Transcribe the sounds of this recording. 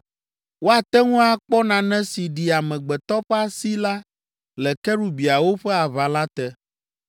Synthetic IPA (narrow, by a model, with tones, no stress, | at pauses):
wo˦a˨t̪ɛ˦ŋũ˦a˨k͡pɔ˦nã˨nɛ̃˦si˨ɖi˨a˨mɛ̃˨ɡ͡bɛ˨t̪ɔ˦ɸa˦si˦la˦ | lɛ˨kɛ˦ɾu˦bi˨a˨wo˦ɸɛ˦a˨βa˨la˦t̪ɛ˦